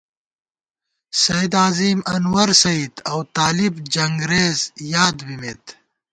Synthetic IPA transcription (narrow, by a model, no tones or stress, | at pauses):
sɐid̪aːziːmɐnwɐɾsɐid̪ɐwt̪aːlibd͡ʒɐŋɡɾeːzjaːd̪bimeːt̪